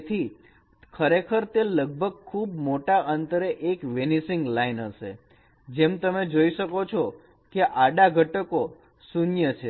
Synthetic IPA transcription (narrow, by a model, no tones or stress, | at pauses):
t̪ʰi | kʰəɾekʰəɾt̪eləɡ̚bʱəɡ̚kʰːubmoʈaʔənt̪əɾeʔekʋenisɪ̃ŋɡlainɦəʃḛ | d͡ʒemt̪əmed͡ʒoiʃəkot͡ʃʰo | keʔaɖaɡʱəʈəko | sunjət͡ʃʰe